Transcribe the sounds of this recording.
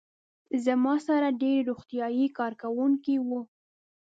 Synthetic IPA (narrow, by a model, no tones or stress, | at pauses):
zamɑsaɾaɖeɾɾoxt̪ijɑjikɑɾkawuŋkiwu